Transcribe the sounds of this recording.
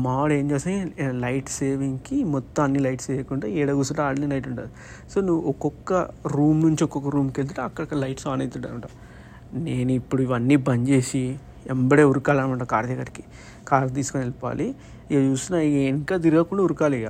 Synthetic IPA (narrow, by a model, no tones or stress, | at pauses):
maːɽe̞ːɲd͡ʒeːsalɐjʈse̞ːʋiŋkimɔt̪ːɐmɐnːilɐjʈsɛːjɐkuɳʈaːɛːɽɐɡusuʈaːɽɐlilɐjʈuɳʈa̰ːd̪u | soːnuʋuɔkɔkːɐɾuːmnuɲt͡ʃiɔkɔkːɐɾuːmkelt̪̬uʈeɐkːɐɽɐkɐlɐjʈsaːnɐjt̪uɖɐnɐɳʈa̰ | ne̞ːnuipːuɽuiʋɐnːiːbɐɲd͡ʒe̞ːsi | ɛmbɐɽeːuɾukaːlɐnʋɐɳʈaːkaːɾd̪jɐɡɐɾiki̥ | kaːɾt̪̬iːsu̥konilipa̰ːli | t͡ʃuːst̪unaeːŋkaːd̪iɾɡaːkuɳɖauɾukaːleːɡaː